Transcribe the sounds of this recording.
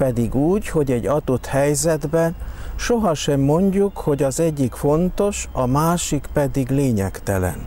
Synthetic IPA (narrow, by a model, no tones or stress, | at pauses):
pɛd̪iɡuːɟho̞ɟɛɟːɒd̪ot̪hɛjzɛd̪bɛʃoɦɒʃɛmːo̞ɲɟukho̞ɟɒzɛɟːikfo̞nt̪o̞ʃɒmaːʃikpɛd̪iɡleːɲɛkt̪ɛ̰lɛ̰n